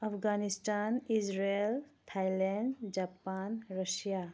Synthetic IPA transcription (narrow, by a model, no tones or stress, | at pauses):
apʰɡanistanisɾeltʰajlanɖd͡ʒapanɾəsija